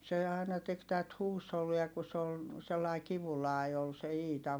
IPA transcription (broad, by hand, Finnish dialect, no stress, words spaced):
se ɑˑi̯nɑ tek tæt huːsholːiɑ ku s ol selːɑi kiʋulɑˑi ol se iːtɑ